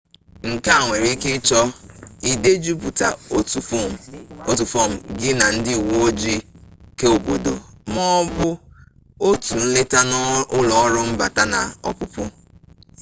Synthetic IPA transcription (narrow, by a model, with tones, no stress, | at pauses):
ŋ̩˨ka˦a˨ŋʷe˨ɾi˦kɪ˦t͡ʃɔ˦i˨de˦d͡ʒu˦pu˨ta̰˨˦ | o˦tu˨fo˦˨m̩˨ɡɪ˦na˨n̩˦dɪ˦˨wo˦d͡ʒi˦ke˦o˨bo̰˨do̰˨mɔ˦bʊ˦ | o˦tu˨n̩˦le˦ta˦n˦ʊ˦lɔ˨˦ɾʊ˦m̩˦ba̰˨ta˦na˨ɔ̰˨pʊ˦pʊ˦